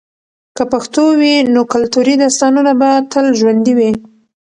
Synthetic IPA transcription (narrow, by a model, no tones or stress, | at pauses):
kəpaxt̪owinokʊlt̪uɾid̪ɑst̪ɑnunabat̪əlʒwand̪iwi